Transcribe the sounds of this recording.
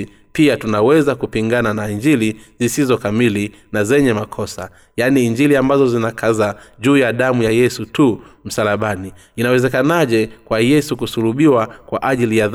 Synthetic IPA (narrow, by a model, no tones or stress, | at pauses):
piatunawɛzakupiŋɡananaiɲd͡ʒilizisizɔkamili | nazɛɲɛmakʰɔsa̰ | janiːɲd͡ʒiliambazɔzinakʰazaʄuːjaɗamujajɛsutum̩salaɓaniː | nawɛzɛkanaʄɛkwajɛsukusuluɓiwakwaʔaʄilijað